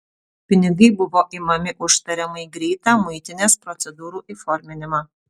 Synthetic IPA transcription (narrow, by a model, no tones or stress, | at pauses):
pʲɪnʲɪɡɐɪbʊʋoːʔiːmɐmʲɪʔʊʃt̪ɐɾʲɛmɐɪɡɾʲɛɪt̪ɑːmʊɪt̪ʲɪnʲeːspɾɔt̪sʲɛd̪uːɾuːʔiːfɔɾʲmʲɪnʲɪmɑː